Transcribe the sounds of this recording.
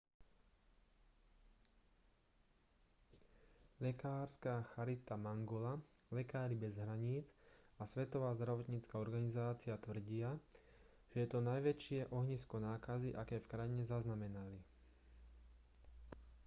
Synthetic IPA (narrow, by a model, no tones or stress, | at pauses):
lɛkaːɾskaːxaɾit̪amaŋɡɔlalɛkaːɾibɛzɦɾaɲiːt͡sasʋɛt̪ɔʋaːzd̪ɾaʋɔt̪ɲit͡skaɔɾɡanizaːt͡siat̪ʋr̩ɟɪa | ʒ̥ɛjɛt̪ɔnajʋɛt͡ʃɪɛʔɔɦɲiskɔnaːkaziʔakɛːfkɾajiɲɛzaznamɛnali